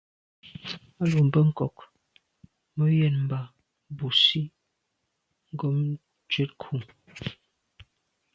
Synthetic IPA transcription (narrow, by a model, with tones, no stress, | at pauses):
a˦lu˨m̩˨bə˦ŋ̩˦˨kɔ˨k | mə˦jɛ˨nm̩˨ba˨ | bu˨si˦ | ŋ̩˦ɡo˦m | t͡ʃe˦t̚kʰu˨